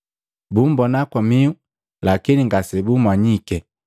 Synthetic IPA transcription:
bumbɔnakɔmiu | lakiniŋɡasɛbumwaɲikɛ

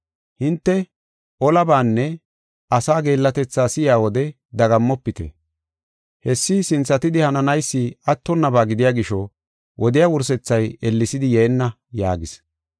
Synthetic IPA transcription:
hɪnt̪ːɛ | ʔɔlɐbaːnːɛ | ʔɐsaːɡe̞ːlːɐt̪ɛt͡sːaːsɪjaːwɔd̪ɛ | d̪ɐɡɐmːɔpːɪt̪ɛ̰ | hɛsːɪsɪnt͡sːɐt̪ɪd̪ɪhɐnɐnɐjsːɪɐt̪ːɔnːɐbaːɡɪd̪ɪjaːɡɪʃɔ | wʔɔd̪ɪjaːwʊɾs̬ɛt͡sːɐjɛlːɪsɪd̪ɪjɛːnːɐ | ja̰ːɡɪs

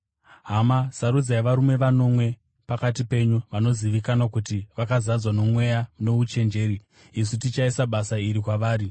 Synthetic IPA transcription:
ɦamasaɾud͡zajeʋaɾume̞ʋano̞mwe̞ | pakatipe̞ɲuʋano̞ziʋikanakutiʋakazad͡zwano̞mwe̞jano̞ut͡ʃe̞nd͡ʒe̞ɾi | isitit͡ʃaisaɓasaiɾikwaʋaːɾi

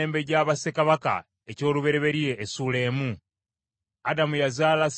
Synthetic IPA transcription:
eːmbeɟaːβase̞kaβaka̰ | e̞co̞ːluβe̞ɾe̞βe̞ɾije̞ʔːsule̞ːmu | adamujazaːlas

